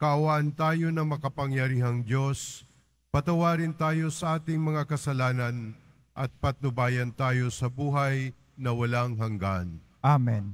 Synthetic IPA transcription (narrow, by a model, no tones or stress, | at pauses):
kɐʔɐwaʔɐnt̪aːjo̞nɐŋmɐkɐpɐŋjɐɾiːɦɐŋd̪jo̞s | pɐt̪ɐwaːɾɪnt̪aːjo̞sɐʔaːt̪ɪŋmɐŋakɐsɐlaːnɐn | ʔɐt̪̚pɐt̪̚nʊbaːjɐnt̪aːjo̞sɐbuːɦɐj | nɐwɐlaŋɦɐŋɡan | amɛn